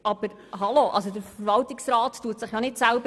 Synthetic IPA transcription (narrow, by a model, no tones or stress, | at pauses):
ʔɑb̥əɾ | ɦɑloʔɑ̰ls̬od̪əɾfəɾvɑltɪksraːttuətsɪχjɑnɪtsælbə